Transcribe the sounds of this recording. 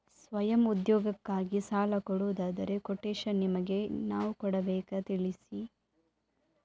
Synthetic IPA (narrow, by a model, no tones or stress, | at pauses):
sʋɐjɐmud̪jɔːɡɐkːaːɡisaːlɐkɔɽuːd̪aːd̪ɐɾe̞kɔʈːeːʃɐnimɐɡe̞naːʋukɔɽɐbɛːkɐt̪iɭisi